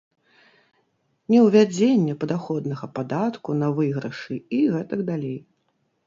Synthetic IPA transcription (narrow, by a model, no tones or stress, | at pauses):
nʲɛwvʲad͡zʲenʲːɐpɐd̪axɔd̪nɐɣɐpad̪at̪kunɐvɨɣɾɐʂɨiɣɛt̪ɐɡd̪alʲej